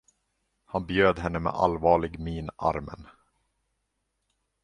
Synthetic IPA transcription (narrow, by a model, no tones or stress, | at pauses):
hanbjøːd̪ɦɛnːəmɛ̰ʔa̰lvɑːɭɪɡmiːna̰ɾmə̰n